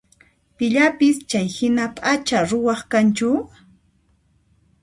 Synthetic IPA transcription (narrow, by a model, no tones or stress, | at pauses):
pɪʎapɪst͡ʃajhɪnapʼat͡ʃaɾʊwɑχkant͡ʃʊ